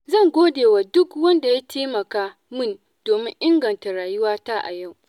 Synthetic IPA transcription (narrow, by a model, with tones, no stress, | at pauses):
zɐ˦˨ŋɡʷoː˦deː˨waː˨dʊ˦kwɐ˦nda˨ja˦teː˦mɐ˨kaː˦ | mɪ˦n | doː˨mɪ˦ŋʔɪ˦ŋɡɐ˨nta˨ɽaː˨jʊ˦waː˦taː˦ʔa̰˨ja˦˨w